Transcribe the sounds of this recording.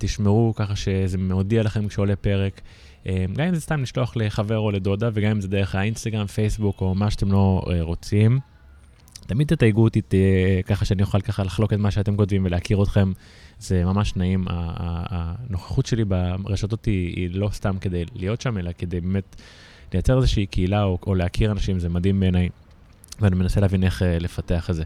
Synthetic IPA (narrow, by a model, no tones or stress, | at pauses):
t̪iʃmeʁukaχaʃe̞zemeod̪ialaχe̞mkʃeole̞pe̞ʁek | emɡamimzestamliʃlo̞aχleχave̞ʁo̞led̪o̞d̪aveɡamimzed̪eʁeχainst̪aɡʁamfe̞jsbuko̞maʃeat̪e̞mlo̞eʁo̞t͡sim | t̪amid̚t̪ːet̪ajɡut̪it̪ekaχaʃeanijuχalkaχalaχlo̞ketmaʃeatemkotvimveleakiʁot̪χe̞m | ze̞mamaʃnaima̰ | no̞χḁχut̪ʃe̞libaʁeʃato̞tḭːlo̞st̪amke̞d̪e̞jlijo̞tʃame̞lake̞d̪e̞jbeːme̞t | lejat͡se̞ʁezeʃiikʰeilaooleakʰiʁanaʃimzemad̪imbe̞ːnaj | veanime̞naseleavine̞χele̞fateaχeze